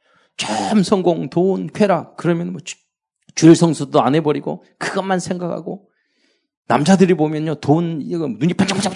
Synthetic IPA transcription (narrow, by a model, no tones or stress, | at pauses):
t͡ɕʌmsʰʌŋɡoŋtonkʰweɾakɯɾʌmjʌnmʌ | t͡ɕuɭsʰʌŋsʰudoanɦe̞bʌɾiɡo̰ | kɯɡʌnmansʰe̞ŋɡakʰa̰ɡo | na̰md͡ʑadɯɾibomjʌnɲotonɡʌnuɲipʰant͡ɕaŋpd͡ʑa